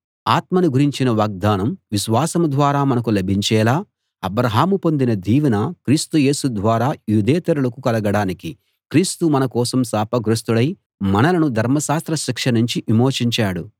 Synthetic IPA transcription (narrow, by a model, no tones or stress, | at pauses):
aːt̪mɐniɡuɾiɲt͡ʃinɐʋaːɡ̚d̪aːnɐmʋiʃʋaːsɐmɐd̪ʋaːɾaːmɐnɐk̬ulɐbʱiɲt͡ʃɛːlaː | ɐbɾɐɦaːmupo̞nd̪inɐd̪iːʋinɐkɾiːst̪uje̞ːsud̪ʋaːɾaːjuːd̪ɛːt̪ɐɾulɐkukɐlɐɡɐɽaːniki | kɾiːst̪umɐnɐkɔːsɐmsaːpɐɡɾust̪uɽɐj | mɐnɐlɐnud̪ʱɐɾmɐʃaːst̪ɾɐʃikʂɐnuɲt͡ʃiʔimoːt͡ʃiɲt͡ʃaːɽu